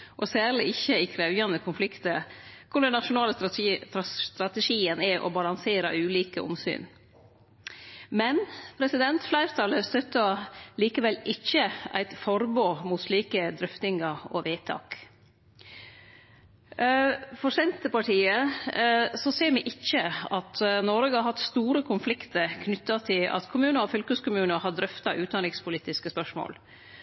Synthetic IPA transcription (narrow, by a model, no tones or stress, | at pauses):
ʔɔsæːɾɭɪɪçəɪkʰɾæʉʋjɑnəkʰʊnflɪkt̪əkʰʊɖ̪ɛnɑʂʊnɑːlə | t̪ɾɑt̪əʂiːənɛʔɔ̰bɑlɑŋseːɾɑ̰ʉːliːkəʊ̰msy̰ːn | mɛnpʰɾɛsɪd̪ɛnt̪flæɪɾt̪ʰɑləst̪œt̪ːəliːkəʋɛlːɪçəæ̰ɪt̪fɔɾboːmuːt̪sliːkəd̪ɾʏft̪ɪŋəɾɔ̰ʋeːt̪ʰɑ̰ːk | fɔʂɛnt̪ːəpɑʈʰiːə | sɔseːɾmɛʔɪçəɑt̪nɔɾɡəɑɾhɑt̪st̪uːɾəkʰʊnflɪkt̪əɾkʰnʏt̪ːɑt̪ʰɪlɑ̰t̪kʰʊmʉːnəɾɔfʏlkəskʊmʉːnəhɑd̪ɾʏft̪ɑʔʉːd̪ɑnɪŋspʰʊliːt̪ɪskəspœʂmo̰ːl